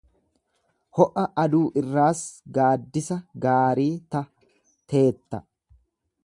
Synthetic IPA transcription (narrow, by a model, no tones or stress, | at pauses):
hɔʔɐʔɐd̪uːʔɪrːaːsɡaːd̪ːɪsɐɡaːɾiːt̪ɐ | t̪ʰe̞ːt̪ːɐ